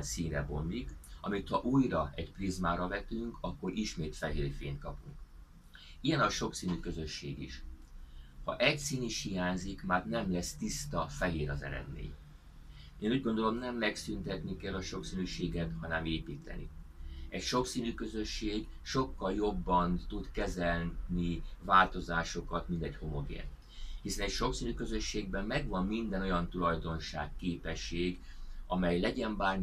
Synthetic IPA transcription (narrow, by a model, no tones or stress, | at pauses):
nsiːnrɛ̰bo̞̰mːikɒ̰mit̪hɒʔuːjrɒɛcprizmaːɾɒvɛt̪yŋkʰɒkːo̞ɾʔiʃmeːt̪fɛɦeːrfḛːnt̪̚kɒpuŋk | ijɛnɒʃo̞ksiːnyːkø̞zø̞ʃːeːɡḭʃ | hɒ̰ʔɛcsiːniʃhijaːɲzikmaːrnɛmlɛst̪ist̪ɒfɛɦeːɾɒzɛ̰ɾɛ̰d̪mḛːɲ | eːnuːɟɡond̪o̞lo̞mnɛmːɛksynt̪ɛt̪nikɛlːɒʃo̞ksiːnyːʃeːɡɛt̪hɒnɛmeːpiːt̪ɛ̰nḭɛcʃo̞ksiːnyːkø̞zø̞ʃːeːɡ | ʃo̞kːɒljo̞bːɒnt̪ud̪kɛzɛlnivaːlt̪o̞zaːʃo̞kɒt̪mint̪ɛcho̞mo̞ɡɛ̰ːn | hisɛnɛcʃo̞ksiːnyːkø̞zø̞ʃːeːɡbɛmːɛɡʋɒmːind̪ɛno̞jɒnt̪ulɒjd̪o̞nʃa̰ːkːeːpɛʃːeːɡɒmɛjlɛɟɛmbaːr